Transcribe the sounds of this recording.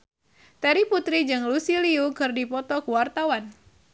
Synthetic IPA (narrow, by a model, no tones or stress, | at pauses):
t̪ɛɾiput̪ɾid͡ʒɨŋlusiliukɨrdipɔt̪ɔkuwart̪awan